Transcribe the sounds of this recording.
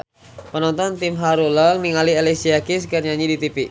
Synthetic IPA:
pənɔnt̪ɔnt̪imɦaɾulɔniŋalielisiakis̬kɨrɲaɲidit̪ipi

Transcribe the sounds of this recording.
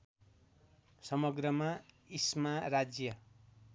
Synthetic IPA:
sʌmʌɡrʌma | ismarad͡zjʌ

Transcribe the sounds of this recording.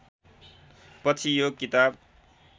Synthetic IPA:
pʌt͡sʰijokit̪ab̚

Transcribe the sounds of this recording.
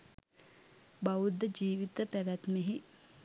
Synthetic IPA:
baud̪əd͡ʒiːʋit̪əpæʋæt̪meɦi

